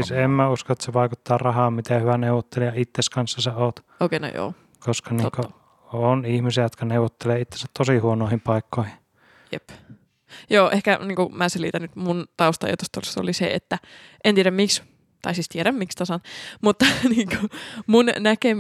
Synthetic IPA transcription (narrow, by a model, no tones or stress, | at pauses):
isemmæuskoet̪seʋɑˑikut̪ːɑːrɑhɑːmmit̪eyʋæneuwot̪ːelijɑit̪ːeskɑnsːɑseoːt̪ | oˑkeˑino̰jo̰ː | koskɑniːoŋko | onihmisiæjot̪kɑneˑuwˑot̪ːeleːit̪ːesæt̪t̪osihuonoˑehimpɑˑikːoˑihi | jḛp | joːʔehkæniːŋkumæːselit̪ænnyt̪munt̪ɑust̪ɑ̰jɑ̰t̪ust̪olst̪o̰lisḛḛt̪ːæʔent̪ieɾæmmiks | t̪ɑ̰isist̪ieɾæmmikst̪ɑsɑnmut̪ːɑniːŋkumunnækem